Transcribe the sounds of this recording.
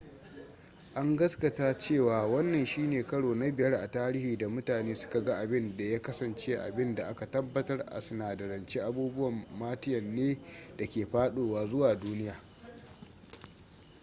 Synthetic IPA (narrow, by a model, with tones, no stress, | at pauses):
ʔa˦ŋɡɐ˦skɐ˨taː˦t͡ʃeː˦˨waː˨wɐ˦nːɐ˨nʃiː˦neː˨kɐ˦ɽoː˨na˦bɪ˨jɐ˦rʔa̰˨taː˦ɾɪ˦hiː˨da˨mʊ˦taː˨neː˦sʊ̥˦ka˨ɡa˦ʔa˨bɪ˦nda˨jaː˦kɐ˦sɐ˨nt͡ʃe˦ʔa̰˨bɪ˦nda˨ʔa˦ka˨tɐ˦bːɐ˨tɐ˦rʔa̰˨sʊ˨naː˨dɐ˨ɾɐ˨nt͡ʃe˦ʔa˦buː˦bʊ˦wɐ˨mːaː˦tɪ˦jɐ˨nːeː˦da˨kʲeː˨ɸaː˦ɗoː˨waː˦zʊ˦waː˨duː˦nɪ˦jaː˨